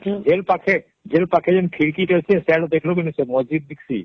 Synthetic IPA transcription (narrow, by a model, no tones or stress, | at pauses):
d͡ʑelpakʰe | d͡ʑelpakʰed͡ʑenkʰiɾkiʈot͡ɕʰeseɽod̪ekʰlokinisemod͡ʑid̪̚biksḭ